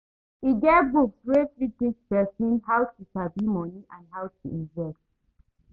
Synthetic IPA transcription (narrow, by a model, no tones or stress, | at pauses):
iɡɛtbukswefɹitĩt͡ʃpɛsĩnɦawtusabimɔniʔãnɦawtuĩnvɛst